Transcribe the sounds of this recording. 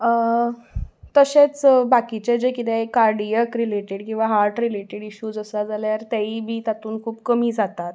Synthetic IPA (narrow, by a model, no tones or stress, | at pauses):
ə | t̪əɕet͡sbakit͡ɕed͡zekit̪ekːaɾɖijəkɾileʈeɽkĩw̃ʋaɦaɾʈɾileʈeɽiɕuːd͡zəsad͡zalejaɾt̪aibʱiːt̪at̪uːnkʰuːbkəmiːd͡zat̪at̪